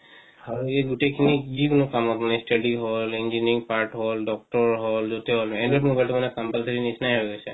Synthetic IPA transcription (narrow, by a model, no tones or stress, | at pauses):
haɹueɡuʈekʰinizikonokamɔt̪manɛsʈaɖiɦɔlind͡ʒiniŋpaɹʈɦɔlɖɔk̚ʈɔɹɦɔlzot̪eɦɔlɛnɖɹɔmobajltɛmanɛkɔmpalsaɹinisnajɦɔɡosɛ